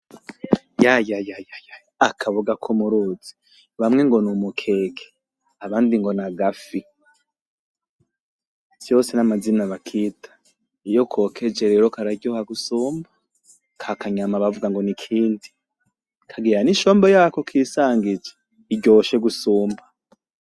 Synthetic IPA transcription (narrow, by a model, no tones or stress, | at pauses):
jajajajajajaakʰaβuɡakʰumuɾuz̥i̥ | βamŋe̞ŋɡo̞numukʰe̞kʰe̥ | aβaːndiŋɡo̞naɡafi | sjo̞senamazinaβakʰiːtʰḁ | ijo̞kʰo̞kʰe̞d͡ʒe̞ɾe̞ɾo̞kaɾaɟohaɡusuːmbḁ | kʰakaɲamaβavuɡaŋɡo̞nikʰiːndi | kʰaɡiɾaniʃoːmbojaːko̞kʰiːsaːŋɡid͡ʒe | iɟo̞ʃe̞ɡusuːmba